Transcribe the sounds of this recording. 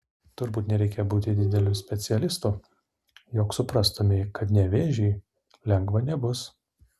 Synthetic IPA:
t̪ʊɾbuːt̪nʲɛɾʲɛɪkʲeːbuːt̪ʲɪd̪ʲɪd̪ʲɛlʲuːsʲpʲɛt̪sʲɪɛlʲɪst̪uː | joːksʊpɾɑst̪oːmʲɪkɐt̪nʲɛʋʲeːʒʲɛɪ | lʲɛŋɡʋɐnʲɛbʊs

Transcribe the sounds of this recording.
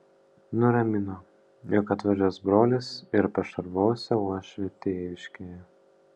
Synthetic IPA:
nʊɾɐmʲɪnoː | jɔkɐt̪ʋɐd͡ʒʲoːsbɾoːlʲɪsɪɾpɐʃɐɾʋoːsʲɛuɔʃʲʋʲɛt̪ʲeːjʲɪʃʲkʲeːjɛ

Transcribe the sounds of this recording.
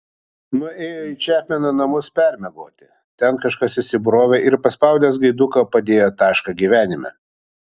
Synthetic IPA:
nʊeːjoːit͡ʃʲæːpʲmʲɛnonɐmʊspʲɛɾʲmʲɛɡo̰ːt̪ʲɪ | t̪ʲɛnkɐʃkɐsɪsʲɪbʊɾoːʋʲɛʔɪɾpɐspɐʊd̪ʲɛsɡɐɪd̪ʊkɐpɐd̪ʲeːjoːt̪ɑːʃkɐɡʲiʋʲæːnʲɪmʲɛ̰

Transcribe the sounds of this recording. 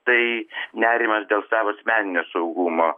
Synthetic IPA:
t̪ɐɪnʲæːɾʲɪmɐsd̪ʲeːlˠsɑːʋoːɐsʲmʲæːnʲɪnʲoːsɐʊɡumoː

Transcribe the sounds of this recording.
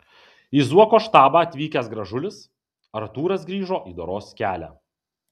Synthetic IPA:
iːzuɔkoːʃt̪ɑːbɑːɐt̪ʲʋʲiːkʲɛs̬ɡɾɐʒʊlʲɪs | ɐɾɐt̪uːɾɐsɡɾʲiːʒoːʔiːd̪oːɾoːskʲæːlʲæ̰ː

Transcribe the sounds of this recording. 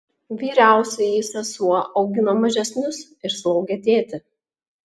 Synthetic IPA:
ʋʲiːɾʲæˑʊsʲɛjisʲɛsuɔʔɐʊɡʲɪnɐmɐʒʲɛsʲnʲʊsɪɾslˠɒʊɡʲɛt̪ʲeːt̪ʲɪ

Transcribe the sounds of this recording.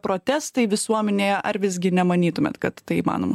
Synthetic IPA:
pɾoːt̪ʲæːst̪ɐɪʋʲɪsuɔmʲɛnʲeːjɛʔɐɾʋʲɪz̬ʲɡʲɪnʲɛmɐnʲiːt̪ʊmʲḛːt̪kɐt̪ːɐɪiːmɑ̰ːno̰ːmɐ

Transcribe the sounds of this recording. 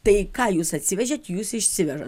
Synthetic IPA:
t̪ɐɪkɑːjuːsɐt̪ʲsʲɪʋʲɛʒʲɛt̪juːsɪʃʲsʲɪʋʲɛʒɐt

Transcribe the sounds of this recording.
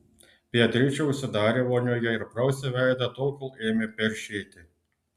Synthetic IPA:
pʲiɛt̪ʲɾʲɪt͡ʃʲɛʊʃʲsʲɪd̪ɑːɾʲeːʋoːnʲoːjɛɪɾpɾɐʊsʲɛʋʲæˑɪd̪ɐt̪olˠkʲolˠeːmʲɪpʲɛɾʲʃʲeːt̪ʲɪ

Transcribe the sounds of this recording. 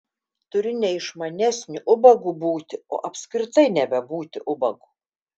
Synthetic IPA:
t̪ʊɾʲʊnʲɛɪʃmɐnʲɛsʲnʲʊʔʊbɐɡuːbuːt̪ʲɪo̰ːʔɐpʲskɾʲɪt̪ɐɪnʲɛbʲɛbuːt̪ʲɪʔʊbɐɡuː

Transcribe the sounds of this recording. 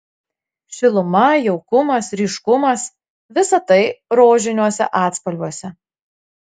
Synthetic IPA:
ʃʲɪlˠʊmɐjɛʊkʊmɐsɾʲiːˑʃkʊmɐs | ʋʲɪsɐt̪ɐɪɾoːʒʲɪnʲuɔsʲɛ̰ʔɑːt̪spɐlʲbʲuɔsʲɛ

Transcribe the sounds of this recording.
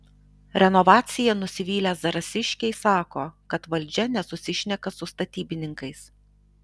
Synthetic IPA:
ɾʲɛnɔʋɑːt̪sʲɪjɛnʊsʲɪʋʲiːlʲæːsd̪ɐɾɐsʲɪʃʲkʲɛɪsɑːkoːkɐt̪ʋɐlʲˑd͡ʒʲɛnʲɛsʊsʲɪʃʲnʲɛkɐsʊst̪ɐt̪ʲiːbʲɪnʲɪŋkɐɪs

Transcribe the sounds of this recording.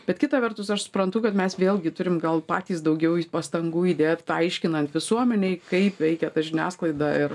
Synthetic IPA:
b̥ʲɛt̪kʲɪt̪ɑʋʲɛrt̪ʊsɐʃsʊ̥pɾɐnt̪ʊkɐt̪mʲɛsʋʲeːlʲˠɡʲɪt̪ʊɾʲɪmɡɐlˠpɑ̰ːt̪ʲiːsd̪ɐʊɡʲɛʊpɐst̪ɐŋɡuːiːd̪ʲeːt̪t̪ɐɪʃʲkʲɪnɐnt̪ʋʲɪsuɔmʲɛnʲɛɪkɐɪpʋʲɛɪkʲɛt̪ɐʒʲɪnʲæːsklˠɐɪd̪ɐɪr

